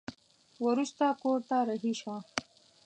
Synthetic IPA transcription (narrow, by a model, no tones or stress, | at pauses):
wʊɾust̪akoɾt̪aɾaɦiʃa